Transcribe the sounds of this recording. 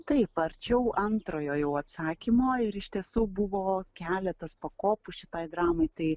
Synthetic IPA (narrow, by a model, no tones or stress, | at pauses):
t̪ɐɪpɐɾʲt͡ʃʲɛʊʔɐnt̪ɾoːjoːjɛʊɐt̪sɑːkʲɪmoːɪɾɪʃʲt̪ʲiɛsuːbʊʋoːkʲæːlʲɛt̪ɐspɐkoːpʊʃʲɪt̪ɐɪd̪ɾɑːmɐɪt̪ɐɪ